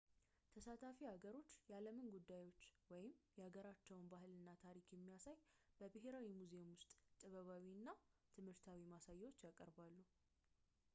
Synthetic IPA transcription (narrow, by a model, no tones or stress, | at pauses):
t̪ʰəsat̪ʰafihaɡəɾo̞t͡ʃːjɛaləmɨnɡud̪ːajwo̞t͡ʃːwɔjɪmjɛhaɡəɾat͡ʃːɛwnbaɦɨlɨnːat̪ʰaɾikjɛmːijasajbəbɨɦe̞ɾawimuzemwʊst̪ʼt̪ʼɨβəβawiɨnːat̪ʰɨmhɨɾt̪ʰawimasajːɛwo̞t͡ʃːjakʼəɾbalːu